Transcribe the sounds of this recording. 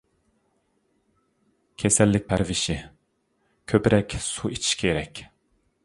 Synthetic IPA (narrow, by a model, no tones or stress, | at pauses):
kʲʰesɛlːɪk̚ʲpʰɛɾvɪʃɪ | kʲʰøpɾɛkʲsuit͡ʃʰi̥ʃkʲʰeɾɛkʲ